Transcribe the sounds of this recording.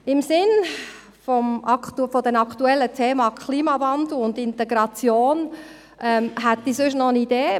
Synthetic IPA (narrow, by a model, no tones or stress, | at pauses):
ɪmsɪn | fɔmɑktufɔd̥ɛnɑkʰt̪uɛlːətʰeːmɑkʰliːmɑvɑnd̪l̩ʊnd̪ɪnt̪ɛɡɾɑt͡sjoːn | ʔɛmɦæt̪ːisʏʃ̬nɔənideː